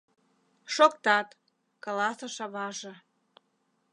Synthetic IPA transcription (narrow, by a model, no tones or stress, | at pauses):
ʃokt̪ɑt̪ | klɑsəʃɑβɑʒɤ̆